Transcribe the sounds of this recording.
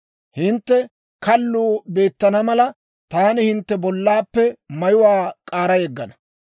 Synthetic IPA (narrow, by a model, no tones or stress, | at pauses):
hɪnt̪ːɛ | kɐlːuːbe̞ːt̪ːɐnɐmɐlɐ | t̪aːnɪhɪnt̪ːɛbɔlːaːpːɛmɐjʊwaːkʼaːɾɐjɛɡːɐnɐ̥